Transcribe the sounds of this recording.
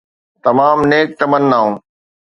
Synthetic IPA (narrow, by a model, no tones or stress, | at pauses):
t̪ɐmaːmneːk̚t̪ɐmənənaːɦũː